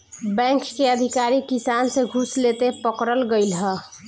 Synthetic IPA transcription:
bɛ̃ŋkːeəd̪ʱikaɾikisanseɡʱuslet̪epəkɾəlɡəɪlɦɛ

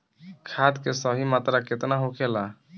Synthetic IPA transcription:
kʰat̪kesəɦimat̪ɾaket̪naɦokʰela

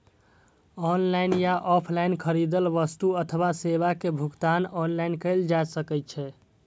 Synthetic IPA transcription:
ɔnlajnjaʔɔpʰlaɪnkʰəɾid̪əlʋəst̪uət̪ʰəwaseβakebʱukt̪anɔnlajnkəɪld͡ʒajsəkət͡ʃʰɛ

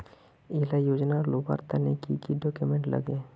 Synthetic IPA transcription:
ɪːlajoːd͡ʒnaloːba̰ɾt̪anekḭkiɖɔːkjʊmẽɳʈlɐ̰ɡeː

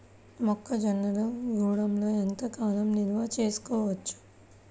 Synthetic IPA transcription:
mɔkʰːɐd͡ʒɐnːɐloɡuːɽɐmlo̞ːent̪ɐkaːnɐmniɾʋaːt͡ʃe̞ːsu̥kɔːʋɐt͡ʃːu̥

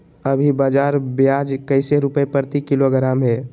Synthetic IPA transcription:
əbʱibaːd͡ʒaɾbjad͡ʒkəɪseɾupəepəɾt̪ikiloɡɾaːmɦɛ

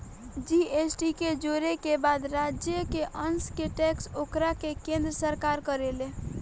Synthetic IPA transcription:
d͡ʒiesʈiked͡ʒoɾekebad̪ɾad͡ʒjəkeʔənskeʈɛksokɾakekẽnd̪ɾəsəɾkaɾkəɾele

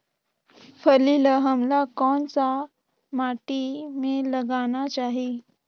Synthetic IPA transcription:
fəliləɦamlakɔɳt͡sa | maʈimeləɡaɽ̃at͡ɕaɦi

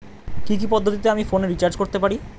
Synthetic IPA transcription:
kik̬ipɔd̪ʱːot̪it̪eamifoneɾit͡ɕaɾd͡ʑkoɾt̪epaɾi

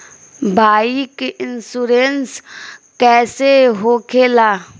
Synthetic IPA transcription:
bʱaːikeʔɪnsuɾenskɛːseɦoːkʰeːlaː

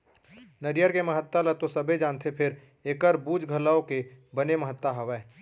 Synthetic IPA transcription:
nəɾijəɾkeməɦət̪ːələt̪osɐbed͡ʒãːnt̪ʰepʰɪɾ | eːkəɾbuːd͡ʒɡʱəlaõkebəneməɦət̪ːaɦɐʋɛ̃ː

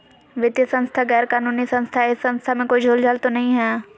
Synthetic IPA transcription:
ʋɪd̪jəsɐ̃ñst̪ʰaɣɛːɾkaːnuːnisɐ̃nst̪ʰaɪsːɐ̃nst̪ʰamẽkoːid͡ʒʱoːld͡ʒaːlt̪onɐɦĩɦɛː

